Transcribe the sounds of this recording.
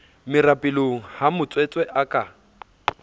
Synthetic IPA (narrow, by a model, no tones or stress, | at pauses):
mɪrapʼɪloŋ̩hamʊt͡sʼwet͡sʼwɛʔakʼa